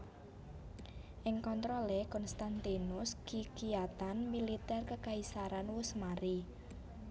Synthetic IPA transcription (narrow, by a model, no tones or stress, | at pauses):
ʔɪŋkɔnt̪ɾɔlekɔnst̪ant̪inʊskikijat̪anmilit̪ɛrkəkaisaɾanwʊsmaɾi